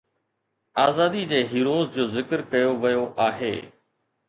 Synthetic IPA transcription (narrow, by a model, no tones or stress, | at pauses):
aːzaːd̪id͡ʑeːɦiːɾoːzd͡ʑoːzɪkəɾkɐjoʋɐjoʔaːɦḛː